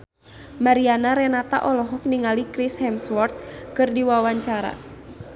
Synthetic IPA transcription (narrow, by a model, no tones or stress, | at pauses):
maɾianaɾɛnat̪a̰ʔɔlɔɦɔk̚niŋalikɾishɛmswɔrt̪̚kɨrdiwawaɲt͡ʃaɾa̰